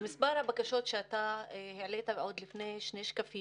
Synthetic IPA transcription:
misbaɾhabakaʃot̪ʃeat̪aheʕlet̪aveʕod̪lifneʃneʃkafi

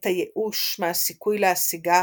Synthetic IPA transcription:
t̪ajeʔuʃmeasikujleasiɡa

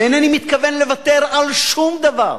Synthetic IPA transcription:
enanimit̪kave̞nle̞vat̪e̞ʁalʃumd̪ava̰ʁ

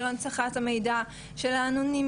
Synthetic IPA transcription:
lont͡saχathame̞jda | ʃe̞lanunim

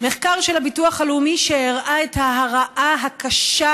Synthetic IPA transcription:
meχkaʁʃelhabituaχalumiʃeeʁʔaethaɦaʁaʔaɦakaʃa

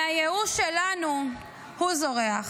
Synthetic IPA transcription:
ajeuʃelanu | huzo̞ʁeaχ

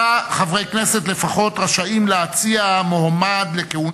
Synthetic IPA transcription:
aχavʁejkne̞se̞t̬le̞faχo̞tʁaʃaimleat͡siamohamad̪le̞keu

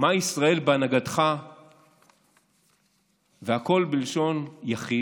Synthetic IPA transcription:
maisʁae̞lbeanaɡadχa | veako̞lbilʃo̞njaχi

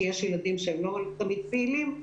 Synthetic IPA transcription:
jɛʃjelad̪imʃeemloalt̪amid̪̚peːlim

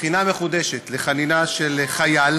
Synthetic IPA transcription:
χinameχud̪eʃet̪leχaninaʃelχajal

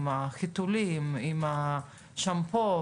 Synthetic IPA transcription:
maχit̪ulimima | ʃampo

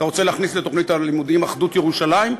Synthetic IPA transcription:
t̪aʁo̞t͡se̞leaχnisle̞t̪o̞χnit̪alimud̪imaχd̪ut̪jeʁuʃalaim

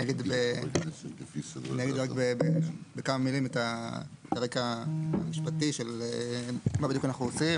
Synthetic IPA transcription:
naɡid̪be | niaɡid̪ʁakbebebekamamilimetataʁekamiʃpat̪iʃelemabidjukanaχnuosi

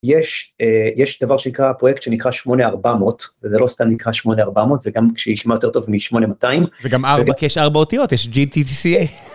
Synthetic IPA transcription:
jeʃejeʃd̥̪avaʁʃenikʁapʁojekt̪ʃenikʁaʃmo̞neaʁbamot̪vezelo̞st̪amnikʁaʃmo̞neaʁbamot̪zeɡamkʃejiʃmajote̞ʁt̪o̞vmiʃmo̞nemataimzeɡamaʁbakiɛʃaʁbaotijo̞tjɛʃd͡ʒit̪itisie

